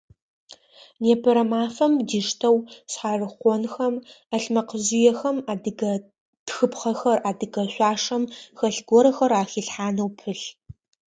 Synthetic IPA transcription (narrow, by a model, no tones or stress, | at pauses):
neːpʰɐɾɐmaːfɐmdiːʂtʰɐwɕħaːrɨχʷɔnxɐmɐɬmɐqəʑɪjɛxɐmaːdɨɡɐ | txɨpχɐxɐraːdɨɡɐɕʷaːʂɐmxɐɬɡʷɔɾɐxɐɾaːxiːɬħaːnɐwpʰɨɬ